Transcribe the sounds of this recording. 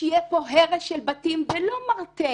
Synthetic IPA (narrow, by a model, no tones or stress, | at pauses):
ijepoɦeʁeʃelbatimvelo̞maʁte